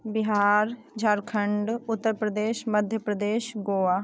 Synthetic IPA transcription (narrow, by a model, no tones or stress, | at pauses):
bɪɦaːɾ | d͡ʒʱaɾkʰəɳɖʊt̪ːəɾpɾəd̪eːʃməd̪ʱjəpɾəd̪eːʃɡoːʋaː